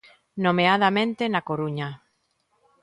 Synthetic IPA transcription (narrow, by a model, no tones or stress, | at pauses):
nomeaðamẽnt̪enakoɾuɲa